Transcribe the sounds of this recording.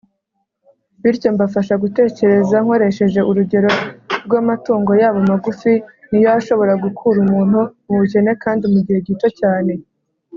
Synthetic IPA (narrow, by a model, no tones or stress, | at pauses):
βiɾco̞mbafaʃaɡute̞ːce̞ɾe̞zaŋ̥ho̞ɾe̞ʃe̞ʒe̞ʔuɾuɟe̞ɾo̞ɾɡwamatuːŋɡo̞jaːβo̞maɡufinijoaʃo̞βo̞ɾaɡukʰuːɾumuːn̥huβuɟe̞ne̞kaːndiumuɟihe̞ɡito̞caːne̞